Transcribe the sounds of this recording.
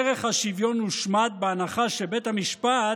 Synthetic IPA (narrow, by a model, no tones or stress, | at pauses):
eʁeχhaʃivjo̞nuʃmat̪̚beanaχaʃebe̞thamiʃpa